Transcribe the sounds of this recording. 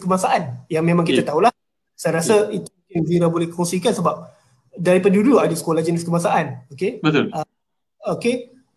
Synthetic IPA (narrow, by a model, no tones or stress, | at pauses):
kəmasaʔanjaŋmẽmãŋkit̪at̪aula | sajɾasait̪umukɪnziɾabolɛhkʰɔnsikansəbap̚ | daɾipaduduadasə̥kolahd͡ʒənɪskəmasaʔanokebət̪ə | oke